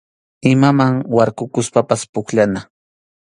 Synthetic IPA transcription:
ɪmamaŋwaɾkʊkʊspapaspʊkʎana

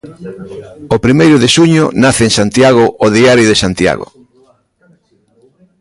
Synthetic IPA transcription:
opɾimejɾʊðeʃuɲʊ̰naθeːŋsant̪jaɣʊʔoðiaɾjoðesant̪ja̰ɣʊ̰

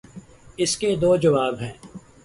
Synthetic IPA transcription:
ɪsked̪oːd͡ʒɐʋaːbɦɛ̃ː

